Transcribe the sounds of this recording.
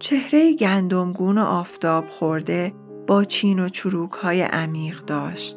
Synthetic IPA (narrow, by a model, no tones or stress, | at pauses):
t͡ʃʰe̞hɾe̞jeɟʲænd̪o̞mɡuːno̞̰ʔɒːft̪ʰɒːb̥xo̞ɾd̪e̞ | b̥ɒːt͡ʃʰiːno̞t͡ʃʰuɾuːkhɒːjḛʔæmiːʁd̪ɒːʃt̪